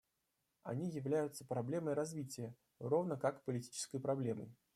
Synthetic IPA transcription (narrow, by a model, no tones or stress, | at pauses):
ɐ̰nʲijɪvlʲæjʊt̪səpɾɐblʲe̞məjɾɐzvʲitʲɪjə | ro̞vnəkakpəlʲɪtʲi̥t͡ɕɪ̥skəjpɾɐblʲe̞mə̰j